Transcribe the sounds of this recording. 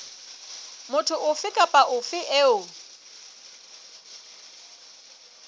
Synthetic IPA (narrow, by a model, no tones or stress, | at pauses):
mʊtʰʊʔʊfɪkʼapʼaʔʊfɪʔɛʊ